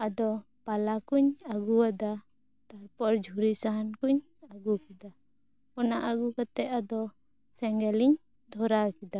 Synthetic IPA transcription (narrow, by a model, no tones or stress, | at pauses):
ad̪ɔ | palakuɲaɡuwad̪a | t̪aɾpɔɾd͡ʒʱuɾisaɦankuɲ | aɡukid̪a | ɔnaʔaɡukat̪ɛʔ̪ad̪ɔ | sɛŋɡɛliɲ | d̪ʱɔɾakid̪a